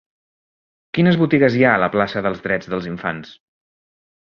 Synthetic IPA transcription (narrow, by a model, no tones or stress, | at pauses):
kinəzβut̪iɣəziaələplasəðəlˠzðɾɛd͡zðəlˠziɱfa̰ns